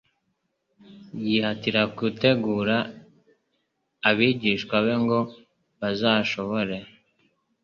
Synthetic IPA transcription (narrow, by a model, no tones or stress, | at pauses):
jihatiɾakute̞ɡuːɾa | βiːɟiːʃkwaβe̞ŋɡo̞ | βazaːʃo̞βo̞ɾe